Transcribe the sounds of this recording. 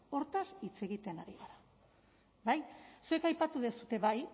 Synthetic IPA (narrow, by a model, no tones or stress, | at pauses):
o̞ɾt̪asit͡se̞ɣ̞it̪e̞naɾiɣaɾa | bajsue̞kajpat̪uð̞e̞sut̪e̞βaj